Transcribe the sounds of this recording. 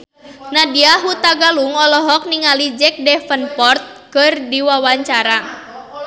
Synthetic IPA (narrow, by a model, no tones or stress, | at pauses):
nadiaɦut̪aɡaluŋɔlɔɦɔk̚niŋalid͡ʒɛk̚dɛfənpɔrt̪̚kɨrdiwawaɲt͡ʃaɾa